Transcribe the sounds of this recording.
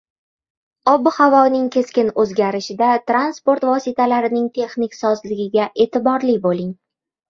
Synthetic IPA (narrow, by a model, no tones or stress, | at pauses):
ɒbɪhavɒnɪŋkʲʰe̞skʲɪnɵzɡʲaɾɪʃɪd̪at̪ɾanspo̞ɾt̪vɒsɪt̪ʰalaɾɪnɪŋt̪ʰe̞χnɪkʲsɒzlɪɡʲɪɡʲaʔe̞ːt̪ʰɪbɒɾlɪbolɪŋ